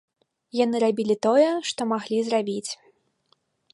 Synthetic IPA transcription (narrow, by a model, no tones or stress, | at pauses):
janɨɾabʲilʲit̪ɔjɛʂt̪ɔmaɣlʲizrabʲit͡sʲ